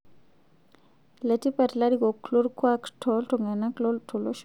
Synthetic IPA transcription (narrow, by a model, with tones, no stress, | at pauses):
la˨ti˦pa˨tla˦ɾi˦ko˨klu˦ɾkwa˦ktʰɔlto˨ŋa˨na˦klɔ˦tʰu˨lo˦ʃ